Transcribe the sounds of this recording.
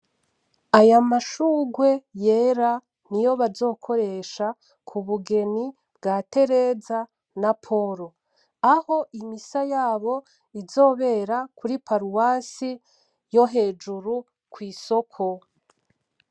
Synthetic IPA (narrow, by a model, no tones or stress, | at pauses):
ajamaʃuːɡwe̞je̞ːɾa | nijo̞βazo̞ːkʰo̞ɾe̞ʃa | kʰuβuɡe̞ni | bɡaːte̞ɾe̞za | napʰo̞ɾo̞ | aho̞ʔimisajaːβo̞ | izo̞ːβe̞ːɾakuɾipaɾuwasi | jo̞ɦe̞ːd͡ʒuɾu | kwiːso̞kʰo̞